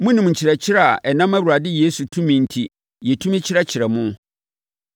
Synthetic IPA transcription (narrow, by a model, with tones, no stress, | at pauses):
mʊ̃˦nɪ̃˨m˨ɲ̩˨t͡ɕʰɪ˨ɾɛ˨t͡ɕʰɪ˦ɾɛ˦a̰˨ʔɛ˨nã˦mæ˦wu˨ɾa˨dɪ˦jeː˦su˨tʰũ˦mĩ˨n̩˨tʰi˨ | jɛ˨tʰũ˦mɪ̃˦t͡ɕʰɪ˦ɾɛ˦t͡ɕʰɪ˨ɾɛ˨mʊ̃˦